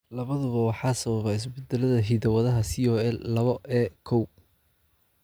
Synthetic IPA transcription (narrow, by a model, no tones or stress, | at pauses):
lɐβɐðʊβɐwɑħɑːsɐβɐβɛɪs̬bɛd̪ɛlɐðɐɦiðɐwɐðɐɦɐsiɔːɛlːɐβɔʔɛːkʰɔw